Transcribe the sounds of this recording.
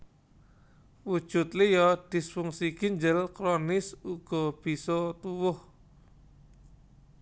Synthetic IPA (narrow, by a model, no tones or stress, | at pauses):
wud̥ʒ̥ʊt̪̚lijɔd̪̥i̤sfuŋsiɡ̥iɲd͡ʒəlkɾɔnɪsuɡ̥ɔ̤b̥isɔt̪uwʊh